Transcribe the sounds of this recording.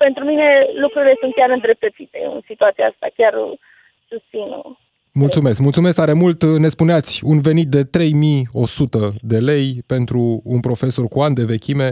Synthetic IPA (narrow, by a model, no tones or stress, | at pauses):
pe̞nt̪ɾumine̞lukɾuɾile̞sunt̪̚kʲaɾɨnd̪ɾe̞p̚t̪ət̪sit̪e̞̰ɨ̰nsit̪uat̪sijaast̪a̰kʲar | sust̪sinṵ | mult̪sume̞skmult̪sumeskt̪aɾe̞mult̪ne̞spuneat̪sʲunve̞nit̪̚d̪e̞t̪ɾe̞jmio̞sut̪əd̪e̞le̞jpe̞nt̪ɾuːnpɾo̞fe̞so̞rkuand̪e̞ve̞kʲime̞